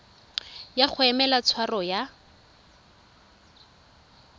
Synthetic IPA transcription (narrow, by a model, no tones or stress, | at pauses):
jak͡xʰʊɛmɛlat͡sʰwarɔja